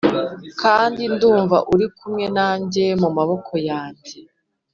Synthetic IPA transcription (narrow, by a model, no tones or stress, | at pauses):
kʰaːndinduːɱva̰ʔuɾikumŋe̞naːɲɟe̞mumaβo̞kʰo̞jaːɲɟe